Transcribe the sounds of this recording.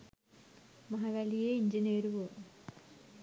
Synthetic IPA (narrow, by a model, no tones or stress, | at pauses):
mɐɦɐʋɐlijeiɲd͡ʑineːɾuʋoː